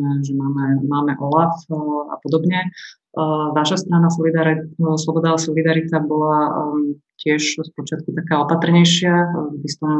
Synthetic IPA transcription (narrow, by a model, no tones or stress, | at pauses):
ɛʒɛmaːmɛmaːmɛʔɔlafa̰pɔd̪ɔbɲɛ | ʋaʃast̪ɾanasɔlid̪aɾslɔbɔd̪aːsɔlid̪aɾit̪abɔla | cɪɛʃspɔt͡ʃɪat̪̚kut̪akaːɔpat̪r̩ɲɛjʃɪaɡist̪ɔm